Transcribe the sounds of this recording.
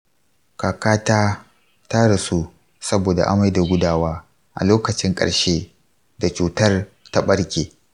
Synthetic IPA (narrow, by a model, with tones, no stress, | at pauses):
kaː˨kaː˦taː˦ | ta˦ɽa˨su˦ | sɐ˦boː˨da̰˨ʔa̰˦ma˦jda˨ɡʷʊ˦daː˦waː˦ | ʔa̰˨loː˦kɐ˨t͡ʃɪ˦ŋkʼɐ̰˨ɽʃeː˦ | da˨t͡ʃuː˨tɐ˦r | ta˦ɓɐ˦ɽkʲeː˨